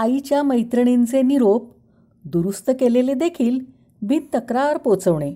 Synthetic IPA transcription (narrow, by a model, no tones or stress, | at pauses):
ait͡ɕjaməjt̪ɾəɳ̃ent͡seniɾop̚ | d̪uɾust̪əkeleled̪ekʰiːl | bʱit̪t̪ːəkɾaɾpot͡səʋɳe